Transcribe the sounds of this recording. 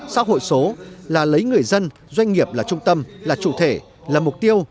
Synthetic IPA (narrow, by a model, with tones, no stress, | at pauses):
sa̰ː˧˥ɦo̰˧˨jso˨˦laː˨˩lə˨˦jŋɨ˨˩əjzə˧n | zwa˧jŋ̟ŋi˨˩əp̚laː˨˩t͡ɕʊ˧ŋ͡mt̪ə˧mlaː˨˩t͡ɕṵ˧˩t̪ʰe˧˩ | laː˨˩mʊ˨˩k͡p̚t̪i˧əw